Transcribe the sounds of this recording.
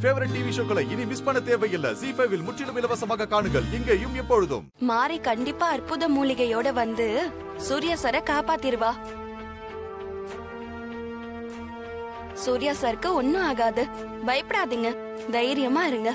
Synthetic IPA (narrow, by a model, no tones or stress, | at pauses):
feːʋɐɾɐɳɖiʋɪʂɐŋɡɐɭɐɪnimɪspɐɳɐt̪eːɾʋɐjɪlːɐ̰siːfɐjʋɪlmʊʈːɪlɯmɪlɐʋɐsɐmaːɣɐkaːɳɯɣɐɭɪŋɡeːjɯmɛpːoɻɯðɯ̰mmaːɾikɐɳɖɪpːaːɐrpʊðɐmuːlɪɣɐjoːɽɐʋɐnd̪ɯ | suːɾɪjaːsɐɾɐkaːpaːt̪ːɪɾɯʋaː | suːɾɪjaːsɐɾkːɯɔnːɯaːɣaːðɯ | bɐjpːɪɽaːðiŋɡɐ | d̪ɐjɾɪjɐmaːɪɾɯŋɡɐ